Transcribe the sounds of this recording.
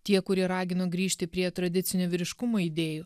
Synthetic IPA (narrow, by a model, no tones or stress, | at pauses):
t̪ʲiɛkʊɾʲiɛɾɑːɡʲɪnoːɡɾʲiːʃʲt̪ʲɪpʲɾʲiɛt̪ɾɐd̪ʲɪt̪sʲɪnʲuːʋʲɪɾʲɪʃkʊmoːid̪ʲeːjuː